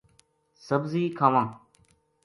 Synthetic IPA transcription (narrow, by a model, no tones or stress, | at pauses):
səbziːkʰaːʋãː